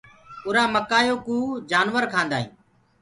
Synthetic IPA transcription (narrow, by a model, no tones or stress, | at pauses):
ʊɾãːməkaːjoːkũːd͡ʒaːnʋəɾkʰãːnd̪aːɦḭ̃ː